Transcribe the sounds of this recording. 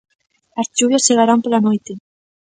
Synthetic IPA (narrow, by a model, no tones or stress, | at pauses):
azt͡ʃuβjasːeɣaɾampelanojt̪e